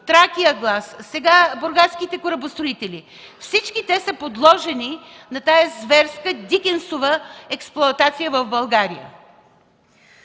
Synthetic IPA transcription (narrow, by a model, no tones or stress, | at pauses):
t̪ɾakijəɡlˠassɛɡaboɾɡat̪skit̪ɛkoɾɐbost̪ɾoit̪ɛlʲi | fsit͡ʃkit̪ɛsəpod̪lˠɔʒɛni | nɐt̪ajəzvɛɾskəd̪ʲikʲɛnsovəɛksplˠoɐt̪at̪sijəvɐvbɐlˠɡaɾijə̰